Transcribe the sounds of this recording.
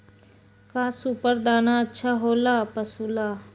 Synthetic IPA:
kãːsupəɾd̪aːnaːətːʃʰaːɦoːlaːpəsuːlaː

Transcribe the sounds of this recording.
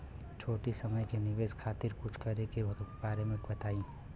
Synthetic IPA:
t͡ʃʰoːʈisɐməjkenɪʋeːzkʰaːt̪ɪɾkʊt͡ʃʰkɐɾekebaːɾemɪkbɐt̪aːĩː

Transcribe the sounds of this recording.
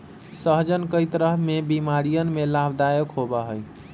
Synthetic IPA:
səɦd͡ʒənkəjt̪ɾəɦmebimaɾijənmelabd̪ajəkɦobəɦəj

